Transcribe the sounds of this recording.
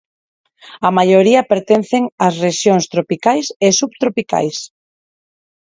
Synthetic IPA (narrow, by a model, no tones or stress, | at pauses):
ɐmajoɾiɐpeɾt̪enθeŋɐsreʃjoŋst̪ɾopikajsesubt̪ɾopika̰js